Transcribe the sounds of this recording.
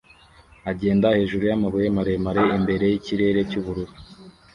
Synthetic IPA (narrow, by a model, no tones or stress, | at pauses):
aɟe̞ːndahe̞ːʒuɾujamaβujemaɾe̞maɾe̞imbe̞ɾe̞jiciɾe̞ɾe̞cuβuɾuɾu